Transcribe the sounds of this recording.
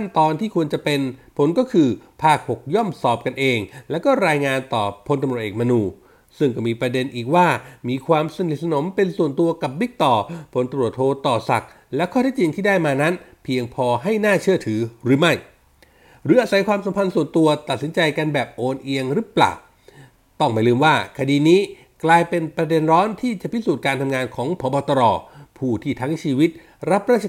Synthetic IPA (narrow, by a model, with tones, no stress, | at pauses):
t̪ʰa˥˩nt̪ɔː˧nt̪ʰiː˥˩kʰu˧ənt͡ɕa˨˩pe˧npʰo˩˦nkɔː˥˩kʰɯː˧pʰaː˥˩k̚ho˨˩k̚jɔ˥˩msɔː˨˩p̚ka˧nʔeː˧ŋlɛ˦˥wkɔː˥˩ɾaː˧jŋaː˧nt̪ɔ̰ː˨˩pʰo˧nt̪mɾt̚ʔeː˨˩kma˧nuː˧ | sɯ˥˩ŋkɔː˥˩miː˧pɾa˧de˧nʔiː˨˩k̚waː˥˩miː˧kʰwaː˧msa˧ni˨˩t̪̚sa˧no˨˩˦mpe˧nsu˨˩ənt̪u˧ɐka˨˩p̚bi˦˥k̚t̪ɔː˨˩pʰo˨˩˦nt̪ɾu˨˩ət̪ʰːoː˧t̪ɔː˨˩sa̰˨˩k̚ | lɛ˦˥kʰɔː˥˩t̪ʰɛː˥˩t͡ɕi˧ŋt̪ʰiː˥˩daː˥˩jmaː˧na˦˥npʰi˧əŋpʰɔː˧ɦa˥˩jnaː˥˩t͡ɕʰɯ˥˩ət̪ʰɯː˩˦ɾɯː˨˩˦ma˥˩j | ɾɯː˨˩˦ʔaː˧˩sa˨˦jkʰwaː˧msa˨˦mpʰa˧nsu˨˩ənt̪u˧ɐt̪a˨˩t̪̚si˩˦nt͡ɕa˧jka˧nbɛː˨˩p̚ʔoː˧nʔi˧əŋɾɯ˦˥pla̰ː˨˩w | t̪ɔ˥˩ŋma˧˥˩lɯː˧mwaː˥˩kʰa˧diː˧niː˦˥ | klaː˧jpe˧npɾa˧de˧nɾɔː˦˥nt̪ʰiː˥˩t͡ɕa˨˩pʰi˦˥suː˨˩t̪̚kaː˧nt̪ʰa˧mŋaː˧nkʰɔː˩˦ŋpʰɔː˨˩˦bɔː˧t̪ɔ˧ɾɔː˧˩pʰuː˥˩t̪ʰiː˥˩t̪ʰa˦˥ŋt͡ɕʰiː˧wi˦˥t̪̚ | ɾa˦˥p̚ɾaː˥˩˧